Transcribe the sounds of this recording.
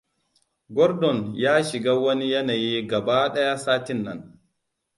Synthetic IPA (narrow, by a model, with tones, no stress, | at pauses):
ɡɔ˦ɾdɔ˨njaː˦ʃɪ˨ɡaː˦wɐ˦ni˦jɐ˦naː˨ji˦ɡɐ˨baː˦ɗɐ˦ja˦saː˦tɪ˦nːɐ̰˦n